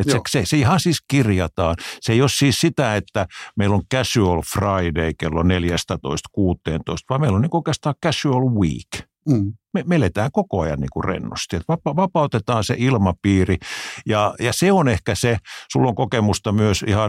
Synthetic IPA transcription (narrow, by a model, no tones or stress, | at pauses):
et̪seseseihɑnsiːskirjɑt̪ɑːnseeijossiːssit̪æet̪ːæmeiloŋkæsyolfrɑideikelːoneljæst̪æt̪o̰ist̪kuːt̪ːˑḛːnt̪o̰ist̪ʋɑːmeilːoniːkuoˑikest̪ɑːkkæsyolwḭːk | memelet̪æːŋkokoɑjɑ̰nnḭːŋkurḛnːo̰st̪iet̪ʋɑpɑʋɑpɑut̪et̪ɑːnsḛʔilmɑpiːrijɑjɑseonehkæsesulːoŋkokemust̪ɑmyøsḭhɑ